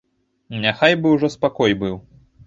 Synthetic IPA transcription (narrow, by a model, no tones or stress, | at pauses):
nʲaxajbɨwʐɔspakɔjbɨw